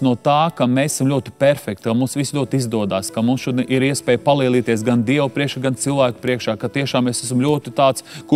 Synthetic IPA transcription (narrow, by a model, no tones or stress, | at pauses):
nuɔt̪aːkamesɛsamlʲuɔt̪i̥pɛɾfɛk̚t̪amuːmsʋislʲuɔt̪izd̪uɔd̪aːskɐmumsʃud̪ʔiɾiɛspɛːjpalˠiːlˠiːt̪iɛs̬ɡand̪iɛwpɾiɛkʃaɡant̪silˠʋæːkʊ̥pɾiɛkʃaːkat̪iɛʃaːmesæs̬mlʲuɔt̪it̪aːt̪sku